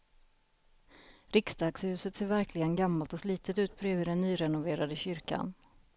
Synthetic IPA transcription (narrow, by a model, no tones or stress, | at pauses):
ɾɪksd̪ɑːkshʉ̟ːsət̪seːɾvæɾklɪɡənɡamːalt̪ɔsliːt̪ʰət̪ʉ̟ːt̪̚pʰɾøːvəd̪ɛnːyːɾɛnʊveːɾad̪əɕʏɾka̰n